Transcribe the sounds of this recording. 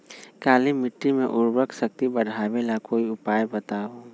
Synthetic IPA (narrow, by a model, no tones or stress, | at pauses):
kaːlimɪʈːimẽʔʊɾbəksək̚t̪ibəɽʱaːbelakoːiʊpaːjbət̪aːo